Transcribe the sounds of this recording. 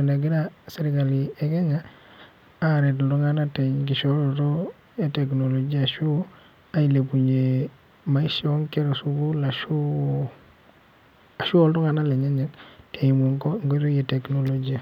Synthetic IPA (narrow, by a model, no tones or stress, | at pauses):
enaɡiɾaseɾiɡalieɡeɲa | aɾet̬lduŋanateɲɡ̬iʃoloto | eteknolod͡ʒiaʃu | ailepuɲe | maiʃioŋkeɾosuɡulaʃu | aʃuoltoŋanaleɲeɲettemuŋɡotojeteknolod͡ʒia